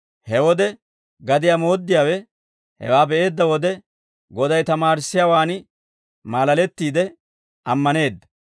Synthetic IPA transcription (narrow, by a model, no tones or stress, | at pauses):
hɛwɔd̪ɛ | ɡɐd̪ɪjaːmo̞ːd̪ːɪjaːwɛ | hɛ̰waːbɛʔe̞ːd̪ːɐwɔd̪ɛ | ɡɔd̪ɐjt̪ɐmaːɾɪsːɪjaːwaːn | maːlɐlɛt̪ːiːd̪ɛ | ʔɐmːɐne̞ːd̪ːɐ̥